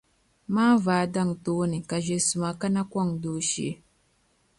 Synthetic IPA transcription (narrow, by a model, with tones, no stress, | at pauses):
maː˦vaː˨˦da˦˨ŋtoː˦ni˨ka˨ʒe˨su˨ma˨ka˦na˦kʷa˦˨ŋdo˦ʃḛ˦